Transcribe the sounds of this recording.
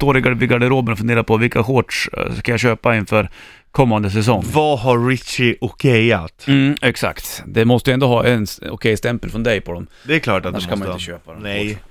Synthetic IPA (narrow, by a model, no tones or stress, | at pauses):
t̪oːɾɪɡaɖvɪɡaɖɛɾoːbənɔfɵnd̪eːɾaɾpʰɔvɪlkahoːʈʂskajaɕøːpaɪnfœːɾ | kʰɔmːand̪əs̬ɛs̬ɔŋːvɑɦaɾːɪt͡ʃɪʔɔkʰɛjat̪m̩ːɛksa̰kt̪d̪ɛmɔst̪əjɛnd̪oːɦɑːʔɛnɔ̰kʰɛjst̪ɛmpəlfɾɔnd̪ɛjpʰɔd̪ɔm | d̪ɛkʰlɑːnaʂkanmaɪt̪əɕøːpad̪ɛɛ